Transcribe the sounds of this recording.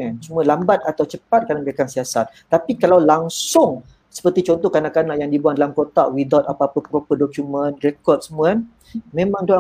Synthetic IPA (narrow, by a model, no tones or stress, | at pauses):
sumũalambat̪̚at̪awt͡ʃəpat̪̚kanabiakansiasat̪̚ːapikalawlaŋsʊŋ | sə̥pərt̪it͡ʃɔnt̪ɔhkanaʔkanaʔjaŋdibuandalamkot̪aʔwidat̪apaːpəpɾopədokjumə̃nrekɔrt̚səmuan | mẽmãŋdoa